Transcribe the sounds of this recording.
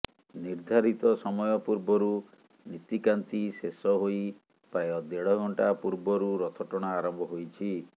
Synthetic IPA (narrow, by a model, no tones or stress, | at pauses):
niɾd̪ʱaɾit̪ɔsɔmɔjɔpuɾbɔɾu | nit̪ikant̪isesɔɦoj | pajɔd̪eɽɔɡʱɔɳʈapuɾbɔɾuɾɔt̪ʰɔʈɔɽ̃aːɾɔmbʱɔɦojt͡ʃʰi